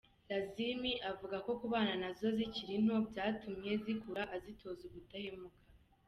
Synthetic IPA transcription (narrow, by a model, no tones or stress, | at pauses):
ɾazimiʔavuɡako̞kuβaːnanazo̞ziciɾin̥o̞bɟaːtumje̞zikuɾaʔazitʰo̞ːzuɡutahemukḁ